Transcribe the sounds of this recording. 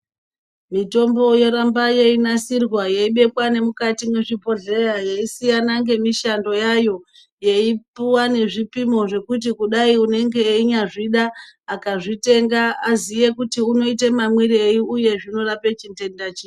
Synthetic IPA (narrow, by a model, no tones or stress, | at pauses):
mito̞mbo̞je̞ɾambajeinasirwajeiɓe̞kwane̞mukatimweʐipo̞ɮe̞rajeisijanaŋɡe̞miʃando̞jajo̞ | je̞ipuwane̞ʐipimo̞ʐe̞kut̬ikuɗaiune̞ŋɡe̞ːiɲaʐiɗaːkaʐite̞ŋɡaazije̞kutiuno̞itemamwiɾiejuuje̞ʐino̞rapet͡ʃinte̞ndat͡ʃiː